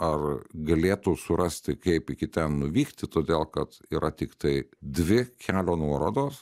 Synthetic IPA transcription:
ɐrɡɐlʲeːt̪ʊsʊɾʔɐsʲt̪ʲɪkɐɪpɪkʲɪt̪ʲɛnnʊʋʲiːkt̪ʲɪt̪oːd̪ʲeːlˠkɐt̪iːɾʔɐt̪ʲɪkt̪ɐɪd̪ʲʋʲɪkʲʰæːlʲoːnuɔɾoːd̪oːs

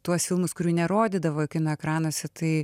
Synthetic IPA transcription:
t̪uɔsfʲɪlˠmʊskʊɾʲuːnʲɛɾoːd̪ʲɪd̪ɐʋoːkʲɪnɐɛkɾɑːnoɔsʲɛt̪ɐɪ

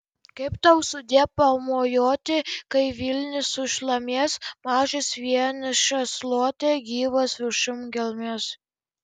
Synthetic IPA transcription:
kɐɪpt̪ɐʊsʊd̪ʲiɛpɐmoːjoːt̪ʲɪkɐɪʋʲɪlʲnʲɪsʊʃlˠɐmʲeɛsmɑːʒɪsʋʲiɛnʲɪʃɐslˠoːt̪ʲeɡʲiːʋɐsʊʃʊmɡʲɛlˠʲmʲeːs

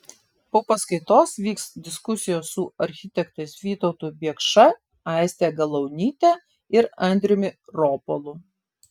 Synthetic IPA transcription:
poːpɐskɐɪt̪oːsʋʲiːkst̪d̪ʲɪskʊsʲɪjoːssʊɐɾʲxʲɪt̪ʲɛkt̪ɐɪsʋʲiːt̪ɒʊt̪uːbʲiɛkʃɐ | ɑˑɪsʲt̪ʲeːɡɐlˠɐʊnʲiːt̪ʲɛː | ɪɾɐnʲd̪ʲɾʲɪmʲɪɾoːpolˠʊ

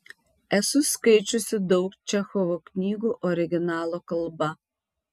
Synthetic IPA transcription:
ɛsʊskɐɪt͡ʃʲosʲɪd̪ɐʊkt͡ʃʲɛxɔʋoknʲiːɡuːʔɔɾʲɪɡʲɪnɑːlˠoːkɐlˠbɐ

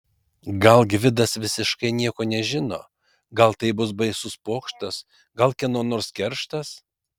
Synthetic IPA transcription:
ɡɐlˠɡʲʋʲɪd̪ɐsʋʲɪsʲɪʃkɐɪnʲiɛkoːnʲɛʒʲɪno̰ː | ɡɐlˠt̪ɐɪbʊsbɐɪsʊspoːkʃt̪ɐs | ɡɐlˠkʲɛnoːnoːɾskʲɛɾʃt̪ɐs

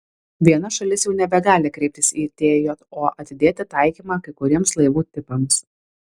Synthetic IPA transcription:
ʋʲiɛnɐʃɐlʲɪsjɛʊnʲɛbʲɛɡɑːlʲɪkɾʲɛɪp̚ʲt̪ʲɪsiːt̪ʲeːjoːt̪oːʔɐt̪ʲɪd̪ʲeːt̪ʲɪt̪ɐɪkʲiːmɑːkɐɪkʊɾʲiɛmslˠɐɪʋuːt̪ʲɪpɐms

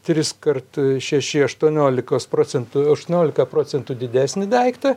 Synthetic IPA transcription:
t̪ʲɾʲɪskɐrt̪ʃʲɛʃʲɪɐʃt̪uɔnʲoːlʲɪkoːspɾoːsʲɛnt̪ʊɐʃt̪uɔnʲoːlʲɪkɐpɾoːt͡s̪ʲɛnt̪uːd̪ʲɪd̪ʲæːsʲnʲɪd̪ʲɛɪkt̪ɐ

